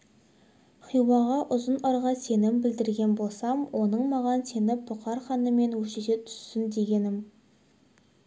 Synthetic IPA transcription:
χʰijwɑʁɑʔʊzənɑɾʁɑse̞nɪmbɪld̪ɪɾɡʲe̞nbo̞lˠsɑmwʔo̞nəɴmɑʁɑnse̞nɪbʊqɑɾχɑnəme̞nwɵʃet̪et̪ʰʏ̥sːɪnd̪e̞ɡʲe̞nɪm

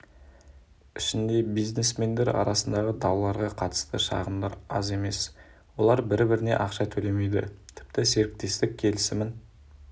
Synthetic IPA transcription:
ɪʃɪnd̪e̞bijzne̞sme̞nd̪e̞ɾɑ̰ɾɑsənd̪ɑʁəd̪ɑwlˠɑɾʁɑqʰɑt̪ə̥st̪əʃɑ̰ʁəmd̪ɑɾɑ̰ze̞me̞s | wo̞lˠɑɾbɪɾbɪɾɪne̞̰ʔɑqʃɑt̪ʰɵle̞me̞jd̪ɪ̰t̪ʰɪ̥p̚t̪ɪse̞ɾɪk̚t̪e̞st̪ɪkʲʰːe̞lɪsɪmɪn

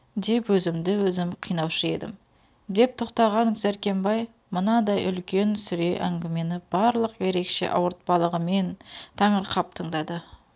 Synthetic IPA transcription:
d̪e̞pwɵzɪmd̪ɪwɵzɪmqʰijnɑwʃəe̞̰d̪ɪ̰m | d̪e̞p̚t̪ʰoqt̪ɑʁɑŋzæɾkʲe̞mbɑj | mənɑd̪ɑjʏ̰lkʲe̞nsʏɾe̞ʔæ̰ŋɡʲɪme̞nɪb̥ɑɾlˠəqje̞ɾe̞kʃe̞̰ʔɑ̰wəɾt̪̚pɑlˠəʁəme̞nt̪ʰɑɴəɾqʰɑp̚t̪ʰəɴd̪ɑd̪ə

